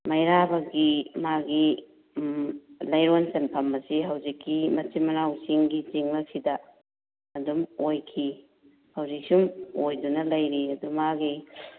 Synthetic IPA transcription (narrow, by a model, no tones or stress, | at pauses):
mɐjɾabɐɡimaɡi | lɐjɾonsenpʰɐmɐsiɦɐwzikːimɐt͡ʃimɐɾawsiŋɡit͡ʃiŋlɐk̚sidɐː | dumojkʰi | hɐwzik̚siumojdunɐlɐjɾiɐdumaɡi